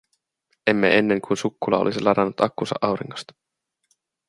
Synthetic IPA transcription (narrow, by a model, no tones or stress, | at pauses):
e̞mːḛe̞nːe̞ŋkunsukːulɑ̰olisilɑɾɑnːut̪ɑkːunsɑ̰ʔɑwɾiŋːost̪ɑ̥